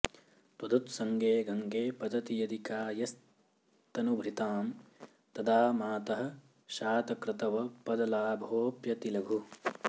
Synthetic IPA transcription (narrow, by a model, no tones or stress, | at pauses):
t̪ɐd̪ut̪sɐŋɡeːɡʱɐŋɡeːpɐd̪ɐt̪ijɐd̪ʱikaːjɐs | t̪ɐnubʱɾit̪aːm | t̪ɐd̪aːmaːt̪ɐɦɐ̆ | ʃaːt̪ɐkɾɪt̪ɐʋɐpɐd̪ɐlaːbʱoːpjɐt̪ilɐɡʱu